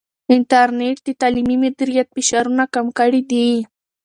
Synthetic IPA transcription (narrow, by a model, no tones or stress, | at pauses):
ɪnʈaɾneʈ̚d̪ɪt̪aːlimimɪd̪ɪɾɪjat̪̚fɪʃaɾʊnakamkaɽid̪i